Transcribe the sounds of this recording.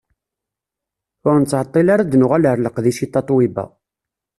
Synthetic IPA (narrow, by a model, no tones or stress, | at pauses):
ʊɾnət͡sːʕət̪ˤːilaɾad̪nʊʁaləɾləqðiʃit̪ːɑt̪ˤwibæ̰